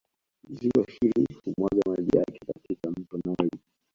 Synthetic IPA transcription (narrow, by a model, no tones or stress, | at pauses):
ziwahilihumwaɠamalijakɛka̰tikam̩tɔmɔli